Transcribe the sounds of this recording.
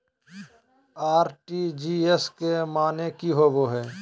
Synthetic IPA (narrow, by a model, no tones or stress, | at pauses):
aːɾʈid͡ʒiːeskemaːnekiɦoʋoɦɛː